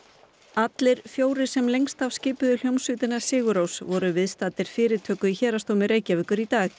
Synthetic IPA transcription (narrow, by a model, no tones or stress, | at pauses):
at̪lɪɾ̥fjoːwɾɪ̥sɛmlejŋst̪avscɪːpʏðʏl̥jowmsʏːt̪ɪnḁsɪːɣʏɾowsvɔɾʏvɪðst̪at̪ɪɾ̥fɪːɾɪt̪ʰœːkʏiçɛːɾast̪oːwmɪɾeːjcavʏːkʏɾit̪aːx